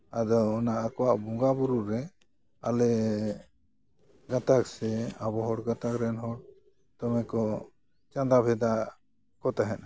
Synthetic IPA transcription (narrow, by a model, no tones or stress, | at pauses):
ad̪ɔːnaʔakɔwaʔbuŋɡabuɾuɾɛ | alɛ | ɡat̪aksɛabɔɦɔɽɡãt̪akɾɛnɦɔɽ | t̪ɔmɛkɔ | t͡ʃãd̪abʱɛd̪a | kɔt̪aɦɛn